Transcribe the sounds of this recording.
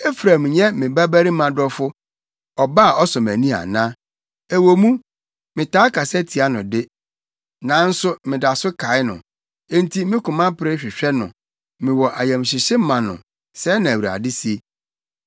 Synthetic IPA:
e˦fɾa˨mɲɛ̃˦mɪ̃˨ba˦bæ˦ɾi˦mã˨dɔ˦fʊ˦ | ɔ˨ba˦˨ʔɔ˦sɔ̃˨mæ˨nĩ˦a̰˨nã˦ | æ˨wo˨mũ˦ | mɪ̃˨tʰaː˦kʰa˨sɛ˦tʰi˨a˦nʊ̃˨dɪ˦ | nã˨˦n̩˦sʊ˦mɪ̃˨da˨sʊ˦kʰa˨˦ɪ˦nʊ̰̃˨˦ | n̩˦tʰi˦mɪ̃˦kʊ̃˨mã˦pʰɪ˨ɾɪ˦ɕᶣɪ˨ɕᶣɛ˦nʊ̰̃˨ | mɪ̃˨wɔ˨ʔa˨jɛ̃˨m˨ɕɪ˨ɕɪ˦mã˨nʊ̰̃˨ | sɛ˨˦nã˨æ˨wi˨ɾa̰˨dɪ˦si˨˦e˦

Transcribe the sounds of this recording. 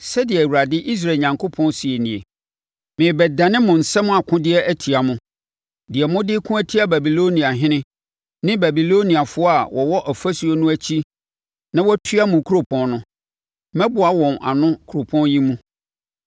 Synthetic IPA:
sɛ˦dɪ˨ɛ˨wu˨ɾa˨dɪ˦ʔi˦s̬ɾa˨ɲã˨ŋkʰo˦pʰɔ̃˦nsi˨e˨nĩ˨e˨ | mɪ̃˨bɛ˨dã˨nɪ̃˦mʊ̃˨n̩˨sɛ˦mʊ̃˦a˨kʰʊ̃˦dɪ˦ɛ˦æ˦tʰi˨a˨mʊ̃˨ | dɪ˨ɛ˨mʊ̃˦dɪ˦kʰʊ̃˦æ˦tʰi˦a˨bæ˨bi˨lo˦nĩ˨a˨ɦɪ̃˦nɪ̃˦ | nɪ̃˦bæ˨bi˨lo˦nĩ˨a˨fʊ˦ɔ˦a˨wʔɔ˨wɔ˦ʔæ˨fæ˦su˨o˦nʊ̃˦æ˦t͡ɕʰi˦ | nã˦wɔ˦tʰɥa˦mʊ̃˨kʰu˦o˨pʰɔ̃˦nnʊ̃˦ | mɛ̃˦bʊ˨a˨wɔ̃˨na̰˨nʊ̃˦kʰu˨ɾo˨pʰɔ̃˦njĩ˦mũ˦

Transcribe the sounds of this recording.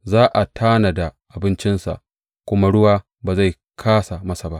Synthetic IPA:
zaː˦ʔa˨tʰaː˦na˨da˨ʔa˨bɪ˦nt͡ʃɪ˦nsa̰˨ʔ | kʷʊ˦ma˦ɽʊ˦waː˦ | baː˨za˦˨j | kʰaː˦sa˨mɐ˦sa˨ba˦ʔ

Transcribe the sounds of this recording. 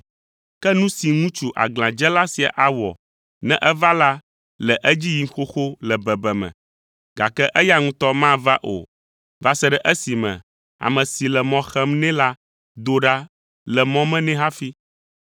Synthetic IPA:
kɛ˦nũ˦si˨ŋũ˦t͡ʃu˨ʔa̰˨ɡlã˨d͡ʒɛ˦la˦si˨a̰˨ʔa˨wɔ̰˨ | nɛ̰̃˦ʔɛ˦va˦la˦ | lɛ˨ʔɛ˦d͡ʑi˦ji˦ŋ˦xo˦xo˦lɛ˨bɛ˨bɛ˨mɛ̰̃˨ | ɡa̰˨kɛ˦ʔɛ˦ja˦ŋũ˦t̪ɔ˦mã˦va˦ʔo̰˨ | va˦sɛ˦ɖɛ˨ʔɛ˦si˨mɛ̰̃˨ | a̰˨mɛ̃˨si˨lɛ˨mɔ̃˨xɛ˦mnɛ̃˦la˦ | d̪o˦ɖa˦ | lɛ˨mɔ̃˦mɛ̃˦nɛ̃˦ɦa˦fi˦

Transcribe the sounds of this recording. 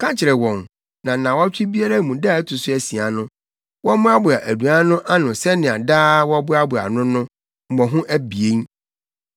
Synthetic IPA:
kʰã˦t͡ɕʰɪ˨ɾɛ˨wɔ̃˨n | nã˨nã˨wɔ˦t͡ɕʰᶣɪ˦bi˦a˦ɾa˦˨mũ˨da˦˨˦tʰʊ˨sʊ˦æ˨si˨a˨nʊ̃˦ | wɔ˦mʊ̃˦a˦bʊ˨a˨ʔæ˨du˨a˦nʊ̃˦ʔa˦nʊ̃˨sɛ˦nɪ̃˨a˨daː˦wɔ˦bʊ˦a˦bʊ˨a̰˨nʊ̃˦nʊ̃˦ | m̩˨mɔ̃˨ɦʊ̃˦ʔæ˦bi˨e˦n˦

